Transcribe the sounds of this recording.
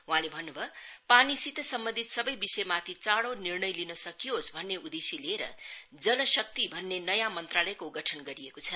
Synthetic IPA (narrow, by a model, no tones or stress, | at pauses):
ɦũɦãlebʱʌnːubʱʌpanisit̪ʌsʌmbʌ̃nd̪ʱit̪sʌbʌjbisʌjmat̪ʰit͡saɽonirnʌjlinʌsʌkiɦosbʱʌnːeud̪esileɾʌ̰ | d͡zʌnʌsʌk̚t̪ibʱʌnːenʌjãmʌnt̪ralʌjkoɡʌʈʰʌnɡʌɾiekot͡sʰʌ